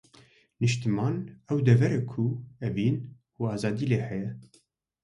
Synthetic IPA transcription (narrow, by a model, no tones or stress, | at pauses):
nɨʃt̪ɨmɑːnɛwd̪ɛvɛɾɛkʰuɛbiːn | uɑːzɑːd̪iːleːhɛjɛ